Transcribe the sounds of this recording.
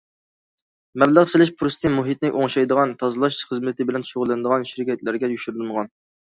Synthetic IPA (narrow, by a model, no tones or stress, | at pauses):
mɛbləʁsɪlɪʃpʰɾost̪ʰɪmuɦit̪̚nɪʔoŋʃɑjd̪əʁɑnt̪ʰɑzɨlˠɑʃχəzmɨt̪ʰɪbɪlɛnʃoʁlːˠɨnɨd̪əʁɑnʃiɾɪkʲʰɛt̪læɾɡʲɛjyʃyɾlmʁɑn